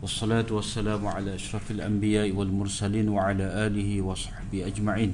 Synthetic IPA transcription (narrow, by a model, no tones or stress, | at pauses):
wʔɑsˤːɑlaːt̪wasːalaːmʕalaːʔaʃɾˤɑfalʔambɪjaːʔwalmʊɾˤsaliːnwaʕalaːʔaːlɪhɪwɑsˤɑ̥ħbɪhʔad͡ʒmaʕiːn